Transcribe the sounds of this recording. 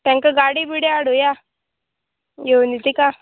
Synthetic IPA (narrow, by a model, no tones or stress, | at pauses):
ʈ̪eŋkaɡaːɽibiɽeaɽuja | jonit̪ika